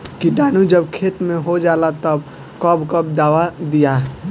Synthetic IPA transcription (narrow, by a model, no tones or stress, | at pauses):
kiɖaːnud͡ʒəbkʰet̪mẽɦod͡ʒalat̪əb | kəbkəb̚d̪aːʋad̪ija